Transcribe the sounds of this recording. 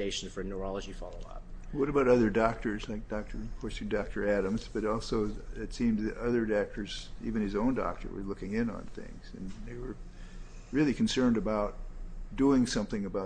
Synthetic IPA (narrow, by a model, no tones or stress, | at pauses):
eɪʃn̩fə˞nə˞ɑlˠəd͡ʒifɑlˠoʊʌ̰p̚wʌɾɨbaʊɾʌðə˞dɑk̚tə˞zlaɪk̚d̥ɑk̚tʰə˞v̥kʰɔɹs̚dɑk̚tʰə˞æɾɨ̃mzb̥ʌɾɔlˠsoʊɨtsĩmzðɨɾʌðə˞dɑk̚tʰə˞z̥ḭvɨ̃nɨzõʊ̃ndɑ̰k̚tʰə̰˞wə̰˞lʊkɪ̃ŋɪ̃nə̰̃nθɪ̰̃ŋz̥ɨ̰̃nðeɪwə˞ | ɹɪlˠikʰn̩sɜ̃˞ndɨbaʊt̚d̥uɪ̃ŋsʌ̃mθɪ̃ŋɨbaʊ